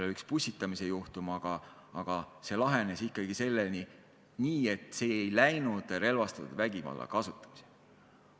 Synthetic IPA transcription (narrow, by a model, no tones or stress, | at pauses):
leykspusʲt̪it̪ːˑɑmise̞juht̪umɑɡ̥ɑ | ɑɡ̥ɑse̞lɑɦe̞nesikːˑɑɡise̞lːelni | niːe̞t̪ːˑse̞ːejlæjnud̪̥ɾe̞lvɑst̪ɑt̪ṵd̪̥væɡivɑ̰lːɑ̰kɑsut̪ːˑɑ̥mi̥se